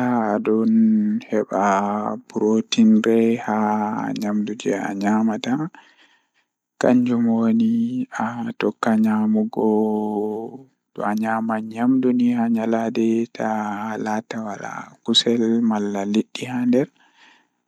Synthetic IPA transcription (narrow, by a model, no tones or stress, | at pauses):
aːdɔnhɛɓab̥uɾotinɾɛha̰ɲamdud͡ʒɛa̰ɲamata | kaɲd͡ʒumoniatɔkːaɲamuɡɔ | d̥ɔ̰aɲamaɲamdunihaɲaladɛtʰalatawala̰kusɛlmalːaliɗːihandɛɾ